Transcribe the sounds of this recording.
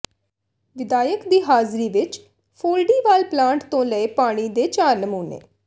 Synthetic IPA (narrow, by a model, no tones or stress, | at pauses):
ʋɪd̪aːjəkd̪iːɦaːzɾiːʋɪt͡ʃ | pʰoːlɖiːʋaːlplãːɳʈt̪õːləepaːɽ̃iːd̪eːt͡ʃaːɾnəmuːnḛː